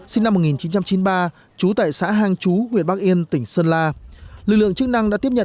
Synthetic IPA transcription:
si˧ŋna˧mːo˨˩t̚ŋi˨˩nt͡ɕi˨˦nt͡ɕa˧mt͡ɕi˨˦nɓaː˧ | t͡ɕu˨˦t̪a̰ː˧˨jsa̰ː˧˥ɦaː˧ŋt͡ɕu˨˦ŋwənɓa˦˥k̚ʔi˧ənt̪ï˧˩ŋ̟səː˧nlaː˧lɨ˨˩k̚lɨ̰˧˨əŋt͡ɕɨ˦˥k̚na˧ŋɗa̰ː˧˥t̪i˦˥p̚ɲə̰˧˨

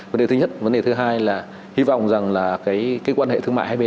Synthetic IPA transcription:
və˨˦nde˨˩t̪ɨ˨˦ɲə˦˥t̚və˨˦nɗe˨˩t̪ɨ˨˦ɦaː˧jlaː˨˩ | hi˧vɔ̰˧˨wŋ͡mza˨˩ŋlaː˨˩kaː˨˦jkaː˨˦jkwaː˧nhḛ˧˨t̪ʰɨ˧ma̰ː˧˨haː˧ɓe˧

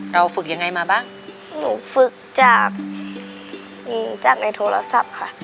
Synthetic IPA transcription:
ɾa˧wfɯ˨˩k̚ja˧ŋːa˧jmaː˧baː˥˩ŋ | nuː˧˩fɯ˨˩k̚t͡ɕaː˨˩k̚ | ʔɯː˧˩t͡ɕaː˨˩k̚na˧˥jt̪ʰoː˧la̰˧sa˨˩p̚kʰa˧˥˩ʔ

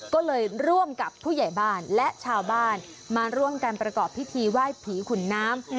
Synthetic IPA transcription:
kɔː˥˩lɤː˧jɾu˥˩əmka˨˩pʰːuː˥˩ja˨˩jbaː˥˩nlɛ˦˥ʔt͡ɕʰaː˧wbaː˥˩n | maː˧ɾu˥˩əmka˧npɾa˧kɔː˨˩pʰːi˦˥t̪ʰiː˧waː˥˩jpʰiː˩˦kʰu˨˩˦nːaː˦˥m

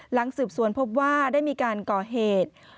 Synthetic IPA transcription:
la˩˦ŋsɯː˨˩p̚su˨˩˦ənpʰo˦˥p̬̚waː˥˩daː˥˩jmiː˧kaː˧nkɔː˨˩ɦeː˨˩t̪̚

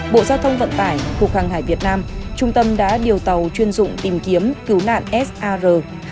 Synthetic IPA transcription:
ɓo̰˧˨zaː˧wt̪ʰə˧wŋ͡mvə̰˧˨nt̪aː˧˩jku˨˩ək̚haː˨˩ŋt̪haː˧˩jvi˨˩ət̚naː˧mt͡ɕʊ˧ŋ͡mt̪ə˧mɗa̰ː˧˥ɗi˨˩əwt̪ə˨˩wt͡ɕwi˧ənzʊ̰˧˨ŋ͡mt̪i˨˩mki˨˦əmkɨ˨˦wla̰ː˧˨nʔɛ˦˥sʔaː˧zəː˨˩

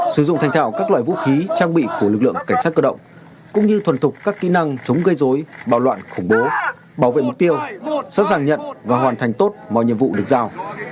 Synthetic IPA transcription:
sɨ˧˩zʊ̰˧˨ŋ͡mt̪ʰjŋ̟t̪ʰaː˧˩wkaː˦˥k̚la̰ː˧˨vṵ˧˥xi˨˦t͡ɕaː˧ŋɓḭ˧˨ku˧˩əlɨ˨˩k̚lɨ̰˧˨əŋka˧˩ŋ̟saː˦˥t̚kəː˧ɗə̰˧˨wŋ͡m | kʊ̰˧˥ŋ͡mɲɨ˧t̪ʰwə˧˨nt̪ʰʊ˨˩k͡p̚kːaː˦˥kːi˧˥na˧ŋt͡ɕʊ˨˦wŋ͡mɣə˧jzo˨˦jɓaː˧˩wlwa̰ː˧˨nxʊ˧˩ŋ͡mɓo˨˦ | ɓaː˧˩wvḛ˧˨mʊ˨˩t̪i˧əwsɔ̰˧˥zaː˨˩ŋɲə̰˧˨nvaː˨˩ɦwaː˨˩nt̪ʰa˨˩ŋ̟t̪o˦˥t̚mɔ̰˧˨ɲḭ˧əvṵ˧˨ɗɨ˨˩kzaː˧˩w

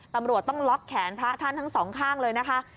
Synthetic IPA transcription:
t̪a˧mɾu˨˩ət̪ːɔ˥˩ŋlɔ˦˥kʰːɛː˩˦npʰɾa˦˥t̪ʰa˥˩nt̪ʰa˦˥ŋsɔː˩˦ŋkʰaː˥˩ŋlɤː˧jna˦˥kʰa˦˥ʔ

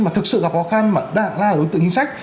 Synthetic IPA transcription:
maː˨˩t̪ʰɨ˨˩k̚sɨ̰˧˨ka˨˩p̚xɔ˨˦xa˧nmaː˨˩ɗa̰ː˧˨ŋlaː˧˨˩ɗo˨˦jt̪ɨ̰˧˨t͡ɕi˧ŋsa˦˥jk̚

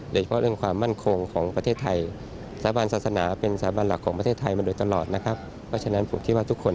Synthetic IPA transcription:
oː˧˩t͡ɕa˧pʰɔ˦˥ʔɤ˧ŋkʰwaː˧mːa˥˩nkʰo˧ŋkʰɔː˩˦ŋpɾa˧t̪ʰeː˥˩t̪ʰːa˧j̪ː | baː˧nsaː˨˩sa˧naː˩˦pe˧nsa˧t̪ʰːaː˩˦baː˧nla˨˩kʰːɔː˩˦pa˧t̪ʰeː˥˩t̪ʰːa˧jmaː˧doː˧jt̪a˧lɔː˨˩t̪̚na˦˥kʰa˦˥p̚ʰː | ɔ˦˥t͡ɕʰa˧na˦˥npʰo˨˩˦mkʰi˦˥waː˥˩t̪ʰu˦˥kʰːo˧n

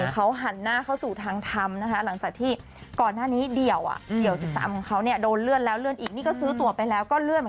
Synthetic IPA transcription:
kʰa˦˥wɦa˨˩˦nːaː˥˩kʰa˥˩suː˨˩t̪ʰaː˧ŋt̪ʰa˧mna˦˥kʰa˦˥la˩˦ŋt͡ɕaː˨˩k̚t̪ʰiː˥˩ | kɔː˨˩nːaː˥˩niː˦˥di˨˩əwʔa̰˨˩ʔdi˨˩əwsi˨˩p̚sa̰ː˨˩˦mkʰɔ˨˩˦ŋkʰa˦˥wni˥˩ədoː˧nlɯ˥˩ənlɛː˦˥wlɯ˥˩ənʔiː˨˩k̚niː˥˩kɔː˥˩sɯː˦˥t̪u˧ɐpa˧jlɛː˦˥wkɔː˥˩lɯ˥˩ənm˧

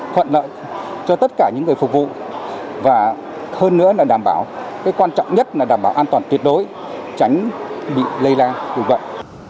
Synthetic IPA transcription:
t̪ʰwə̰˧˨nlə̰ː˧˨ | t͡ɕɔ˧t̪ə˦˥t̚kaː˧˩ɲɨ̰˧˥ŋːɨ˨˩əfʊ˨˩k̚vṵ˧˨vaː˨˩ | həː˧nːɨ̰˧˥əlaː˨˩ɗaː˧˩mɓaː˧˩wkaː˨˦jkwaː˧nt͡ɕɔ̰˧˨wŋ͡mɲə˦˥t̚laː˨˩ɗaː˧˩mɓaː˧˩wʔaː˧nt̪waː˨˩nt̪wi˨˩ət̚ɗo˨˦j | t͡ɕa˨˦jŋ̟ɓḭ˧˨lə˧jlaː˧ɗɨ˨˩ŋvə̰˧˨jʔ

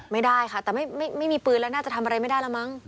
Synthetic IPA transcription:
ma˥˩jdaː˥˩jkʰa˥˩t̪ɛː˨˩ma˥˩jma˥˩jma˥˩jmiː˧pɯː˧nlɛː˦˥naː˥˩t͡ɕa˨˩t̪ʰa˧mʔa˧ɾa˧jma˥˩jda˥˩jlɛː˦˥wma˦˥ŋ

